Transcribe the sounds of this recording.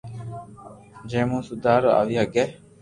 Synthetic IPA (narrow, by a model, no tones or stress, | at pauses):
d͡ʒeːmũːsud̪aːɾoɐ̰ʋiɦɐɡɛ